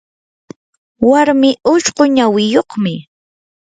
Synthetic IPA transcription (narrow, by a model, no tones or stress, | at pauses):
waɾmɪʔʊʃɢoɲawɪjoχmɪ